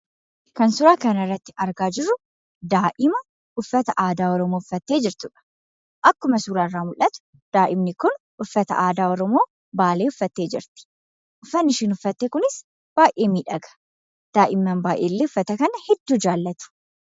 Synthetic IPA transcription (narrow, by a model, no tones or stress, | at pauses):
kɐnsʊɾaːkɐnɐɪrːɐt̪ːɪ̥ɐɾɡaːd͡ʒɪrːʊ | d̪aːʔɪmɐ | ʊfːɐt̪ɐʔaːd̪aːɔɾɔmoːʊfːɐt̪ːe̞ːd͡ʒɪɾt̪ʊᶑɐ̥ | ʔɐkːʊmɐsuːɾaːrːaːmʊlʔɐt̪ʊ̥ | d̪̥aːʔɪmnɪkʊn | ʔʊfːɐt̪ɐ̰ʔaːd̪aːɔɾɔmo̞ː | baːleːʊfːɐt̪ːe̞ːd͡ʒɪ̰ɾt̪ɪ̥ | ʔʊfːɐnːɪʃiːnʊfːɐt̪ːeːkʊnɪs | b̥aːjʔe̞ːmiːᶑɐɡɐ̥ | d̪̥aːʔɪmːɐnbaːjʔeːlːeːʊfːɐt̪ɐkɐnɐhɛd̪ːuːd͡ʒaːlːɐt̪ʊ̥